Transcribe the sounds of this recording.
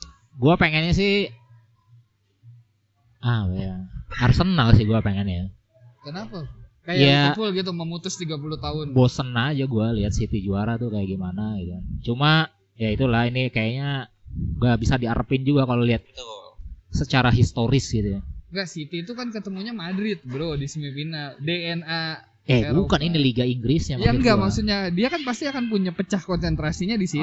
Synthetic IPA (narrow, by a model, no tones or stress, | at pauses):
ɡuapeŋɛnɲas̬ɪh | ʔapajaaɾsənalsɪhɡuapeŋɛnja | kənapakajjafʊlɡit̪̬uməmut̪ʊst̪iɡapulʊht̪aɦʊnbosənaad͡ʒaɡualiɦat̪̚sit̪id͡ʒuaɾat̪ʊkajaʔɡimanaɡit̪ukant͡ʃuma | jait̪ulahinikajaɲaɡabisadiaɾəpɪnd͡ʒuɡakaloliɦat̪̚i̥t̪usət͡ʃaɾaɦist̪oɾɪsɡit̪ujaŋɡaʔsit̪iːt̪ukankət̪əmuɲamadɾɪt̪̚bəɾodisimipinadeɛna | ɛbukaniniliɡaiŋɡɾɪsɲamaŋɡamaksuɲadiakanpast̪iakanpuɲapət͡ʃahkɔnsɛnt̪ɾasiɲadisi